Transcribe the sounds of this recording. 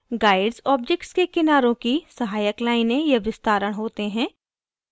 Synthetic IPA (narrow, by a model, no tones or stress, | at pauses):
ɡaːɪɖzɔːb̚d͡ʒek̚ʈskekɪnaːɾõkisɐɦaːjəklaːɪnejɐʋɪst̪aːɾəɽ̃ɦoːt̪eɦɛ̃ː